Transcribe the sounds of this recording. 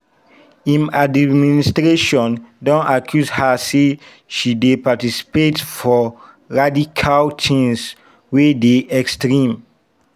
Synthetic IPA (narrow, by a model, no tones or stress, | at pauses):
ĩnadministɹeʃɔ̃ndɔ̃nakʰjuzhase | ʃidepatisi̥petfɔ | ɹadikʰalt͡ʃʰĩns | wedeɛkstɹĩm